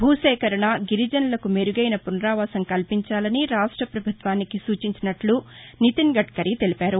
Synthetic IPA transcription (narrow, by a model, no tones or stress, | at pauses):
bʱuːʃɛːkɐɾɐɳɐɡiɾid͡ʒɐnlɐkumeɾuɡɐjnɐpunɾaːʋaːsɐŋkɐlpiɲt͡ʃaːlɐniɾaːʂʈɾɐpɾɐbʱut̪ʋaːnikisuːt͡ʃiɲt͡ʃinɐʈlu | nit̪iŋɡɐʈkɐɾit̪e̞lipaːɾu